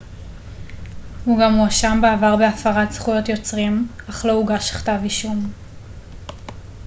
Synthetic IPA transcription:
huɡamuaʃambeavaʁbeafaʁatzχujo̞tjo̞t͡sʁimaχlo̞uɡaʃḁχtaviʃum

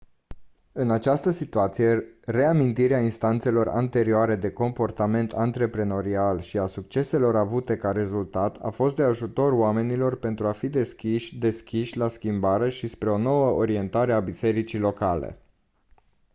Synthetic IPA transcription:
ɨnat͡ʃast̪əsit̪uat̪sije̞re̞amint̪iɾeainst̪ant̪se̞lo̞ra̰nt̪e̞ɾioaɾe̞d̪e̞ko̞mpo̞rt̪ame̞nt̪ʰant̪ɾe̞pɾeno̞ɾialʃiasukt͡ʃe̞se̞lo̞ɾavut̪e̞kaɾe̞zult̪at̪ʰa̰fo̞st̪d̪e̞aʒut̪o̞roame̞nilo̞rpe̞nt̪ɾuafid̪e̞skʲiʃʲd̪e̞skʲiʃʲlaskʲimbaɾe̞ʃispɾe̞o̞no̞wəʔoɾie̞nt̪aɾe̞abise̞ɾit͡ʃilo̞kalḛ

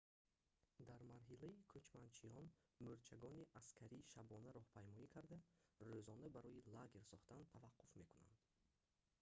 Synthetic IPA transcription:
d̪aɾmaɾɦilaikʰut͡ʃmant͡ʃʰiɔnmuɾt͡ʃʰaɡɔniʔaskʰaɾiʃabɔnaɾɔhpʰajmɔikʰaɾd̪aɾøzɔnd̪abaɾɔilaɡeɾsɔχt̪ant̪ʰavaqːufme̞kuna̰nd̪̥

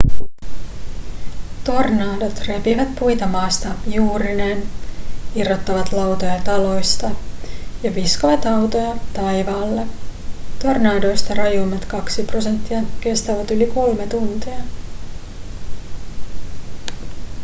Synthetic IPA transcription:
t̪o̞rnɑːdot̪re̞piʋæt̪pujt̪ɑmɑːst̪ɑjuːɾinen | irːot̪ːɑʋɑt̪lɑwt̪ojɑt̪ɑlo̞jst̪ɑjɑʋiskoʋɑt̪ɑwt̪o̞jɑt̪ɑjʋɑːlːet̪o̞rnɑːdo̞jst̪ɑrɑjumɑt̪kɑksipro̞se̞nt̪ːiɑke̞st̪ɑʋɑt̪yliko̞lme̞t̪unt̪iɑ

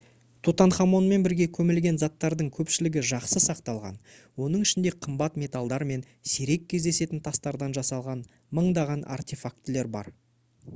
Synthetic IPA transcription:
t̪ʰut̪ɑɴχɑmo̞nme̞nbɪɾɡʲe̞kʲʰɵmɪlɡʲe̞nzɑt̪ːɑɾd̪əɴkʲʰɵpʃɪlɪɡʲɪʒɑqsəsɑqt̪ɑlˠʁɑ̰n | wo̞nəɴɪʃɪnd̪e̞qʰəmbɑt̪mʲe̞t̪alˠd̪ɑɾme̞n | seɾe̞kʲʰːe̞zd̪e̞se̞t̪ɪnt̪ʰɑst̪ɑɾd̪ɑnʒɑsɑlˠʁɑn | məɴd̪ɑʁɑnʔa̰rt̪ʲefakt̪le̞ɾbɑ̰ɾ

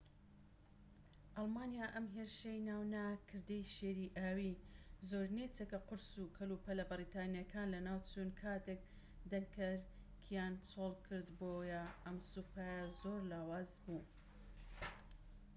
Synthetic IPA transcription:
ʔɑlˠmaːnjaʔɐmɦeɾʃejnaːwnakʰɨɾd̪ejʃeːɾiʔaːwizoɾnet͡sekɐqʊɾsukʰɐlupɐlɐbɨɾit̪aːnijɐkʰaːnlɐnaːwt͡sʰunkʰaːt̪ek̚ | d̪ɐŋkʰɐɾ | kʰijaːnt͡sʰoːlˠkʰɨɾd̪boːjɐʔɐmsupʰaːjɐzoːɾlaːwaːzbuː

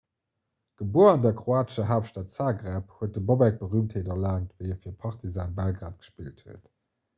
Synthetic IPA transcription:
ɡ̥əbuːɐɑndɛɐkχoaːtəʃɐɦaːfʃtaːtsaːɡʁɛphuət̚dəbobæk̚b̥əʁyːmtheːtɐlaːntvəɪɛfiːɐpʰɑχtʰizaːnbalɡʁaːtɡ̥ə̥ʃpiːlthuət

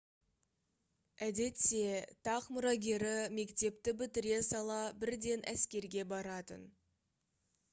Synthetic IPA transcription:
æd̪e̞t̪ːe̞t̪ʰɑqmʊɾɑɡʲe̞ɾɪme̞kt̪e̞p̚t̪ɪbɪt̪ɪɾʲe̞sɑlˠɑbɪɾd̪e̞nʔæ̰skʲe̞ɾɡʲe̞bɑɾɑt̪ə̰n

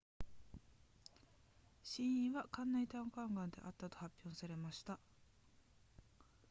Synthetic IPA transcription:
ɕĩɰ̃ĩβakãnːait̪ãkãŋɡãnd̪e̞̰ʔat̪ːat̪o̞̥hapʲːjõɰ̃saɾe̞maɕi̥t̪a

